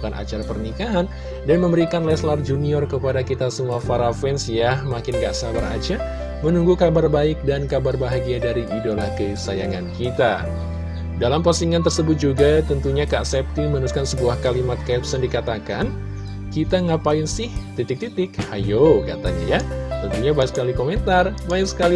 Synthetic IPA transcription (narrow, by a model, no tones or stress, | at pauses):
kanʔa̰t͡ʃaɾapərnikaɦan | danməmbəɾikanlɛslard͡ʒuniɔrkəpadakit̪asəmuafaɾafɛnsjamakɪnɡa̰ʔsabaɾa̰d͡ʒa | mənuŋɡukabarbaɪk̚dankabarbaɦaɡiadaɾiʔidolahkəsajaŋankit̪a | dalampasiŋant̪ərsəbʊt̪̚d͡ʒuɡat̪ənt̪uɲakaʔsɛp̚t̪imənuskansəbuahkalimat̪̚kɛpsəndikat̪akan | kit̪aŋapaɪnsɪht̪it̪ɪk̚t̪it̪ɪk̚hajokat̪aɲa̰jat̪ənt̪uɲabaksə̥kalikoment̪arbaɪksə̥kali